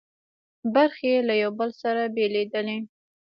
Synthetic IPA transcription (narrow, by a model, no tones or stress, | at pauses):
baɾxelajawbəlsaɾabeled̪əle